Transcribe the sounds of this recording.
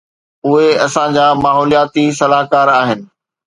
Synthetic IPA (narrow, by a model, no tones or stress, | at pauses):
ʊɦeɐsãd͡ʑaːmaːɦɔːlijaːt̪isɐlaːɦkaːɾaːɦɪnɪ̆